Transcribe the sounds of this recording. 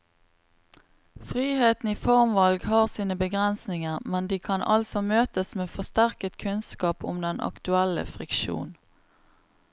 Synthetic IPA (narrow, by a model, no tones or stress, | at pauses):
fʁiːheːt̪n̩iːfɔʁmʋɑlɡhɑːʁsiːnəbəɡʁɛnsnɪŋəʁmɛnd̪iːkʰɑnʔɑ̰lsɔmøːt̪əsmeːfɔst̪æʁkət̪kʰʉnskɑːpʊ̰md̪ɛnʔɑ̰kt̪ʉɛlə̰fʁɪkʃṵːn